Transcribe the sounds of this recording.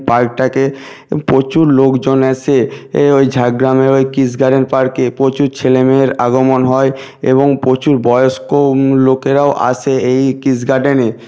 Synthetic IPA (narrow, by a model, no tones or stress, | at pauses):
paɾk̚ʈake | pɾot͡ɕuɾlokd͡ʑonat͡ɕʰeojd͡ʑʱaɡɾameɾojkisɡaɖenpaɾkepɾot͡ɕuɾt͡ɕʰelemeɾaɡomonɦɔe | ḛβoŋpɾot͡ɕuɾbɔjoʃkolokeɾaoʔa̰t͡ɕʰeejkisɡaɖene